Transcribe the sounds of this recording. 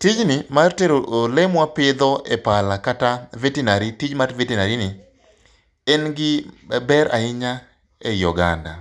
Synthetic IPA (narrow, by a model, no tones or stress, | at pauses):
tid͡ʒnɪmarteɾoolɛmwapɪd̪ɔʔɛpalakatavetinaɾitid͡ʒmadvetinaɾinɪ | ɛnɡɪbɛɾa̰ɪɲa | ɛjɔɡa̰nda̰